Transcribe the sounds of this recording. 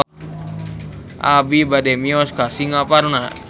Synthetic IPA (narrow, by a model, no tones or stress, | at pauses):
ʔabibadɛmiɔskasiŋaparna